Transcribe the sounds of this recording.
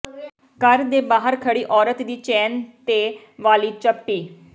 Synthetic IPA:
kəɾd̪eːbaːɦəɾkʰəɽiːʔɔːɾət̪d̪iːt͡ʃɛːnt̪eː | ʋaːliːt͡ʃəpːiː

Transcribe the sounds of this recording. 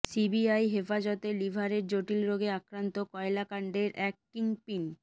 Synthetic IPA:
sibiajɦefad͡ʑɔt̪elibʱaɾeɾd͡ʑoʈilɾoɡeakɾant̪okɔelakaɳɖeɾʔɛk̚ʈiŋpin

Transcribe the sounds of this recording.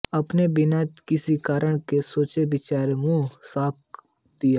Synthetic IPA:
ɐpnebɪnat̪kɪsikaːɾəɳ̃kesoːt͡ʃebɪt͡ʃaːɾemũsaːp̚ | d̪ijaː

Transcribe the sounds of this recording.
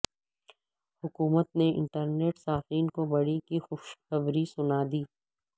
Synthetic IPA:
hʊkuːmət̪neɪ̰̃ɳʈəɾneːʈsaːfiːnkobɐɽikixʊʃxɐbɾisʊnaːd̪iː

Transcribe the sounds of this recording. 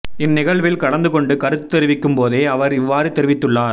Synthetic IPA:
ɪnːɪɣɐɭʋɪlkɐɭɐnd̪ɯkɔɳɖɯkɐɾɯt̪ːɛɾɯʋɪkːɯmpoːðeːɐʋɐɾɪʋːaːɾɯt̪ɛɾɪʋɪt̪ːɯɭːaːɾ

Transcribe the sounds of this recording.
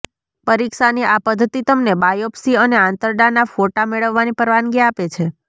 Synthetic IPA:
pəɾikʃaniʔapəd̪ʱːət̪it̪əmnebajopsiəneãnt̪əɾɖanafoʈameɭəʋːanipəɾʋanɡiapet͡ʃʰe

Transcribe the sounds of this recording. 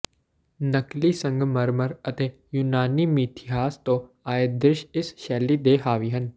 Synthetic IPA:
nɐklisɐ̃ŋɡmɐɾməɾɐt̪eː | junaːnimiːt̪ʰɪɦaːst̪oː | aːjed̪ɾɪʃɪsʃɛːlid̪eːɦaːʋiːɦən̆

